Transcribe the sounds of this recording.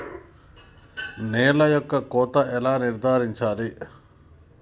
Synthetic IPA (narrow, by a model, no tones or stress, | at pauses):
nɛːlɐjɔkːɐkoːt̪ɐʔɛlaːniɾd̪ʱaːɾiɲt͡ʃaːli